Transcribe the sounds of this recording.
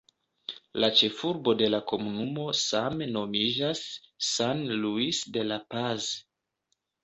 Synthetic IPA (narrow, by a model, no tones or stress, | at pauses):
lat͡ʃe̞fuɾbo̞de̞lako̞munumo̞sameno̞mid͡ʒasːanluisde̞lapaz